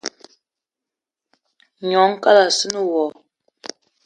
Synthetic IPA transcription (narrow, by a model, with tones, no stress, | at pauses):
ɲɔ˨˦ŋ˦ka˦la˨sə˦nə˦wɔ˨